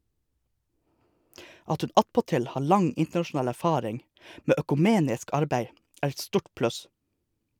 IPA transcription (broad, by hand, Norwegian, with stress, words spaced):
ˈɑt ˈhʉn ˈɑtpɔˌtɪl ˈhɑː ˈɭɑŋ ˈɪntɳɑʃʊˌnɑːl æɾˈfɑːɾɪŋ ˈmeː œkʉˈmeːnɪsk ˈɑɾbæɪ ˈæːɾ ˈɛt ˈstuːʈ ˈplʉs